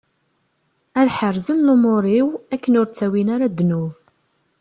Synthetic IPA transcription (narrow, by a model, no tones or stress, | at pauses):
æðħərˤzənlʊmoɾˤiwækːənʊɾt͡sːæwinaɾad̪ːnuv